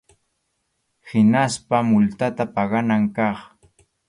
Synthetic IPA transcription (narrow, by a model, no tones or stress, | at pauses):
hɪnaspamʊlt̪at̪apɑɢɑnaŋkɑχ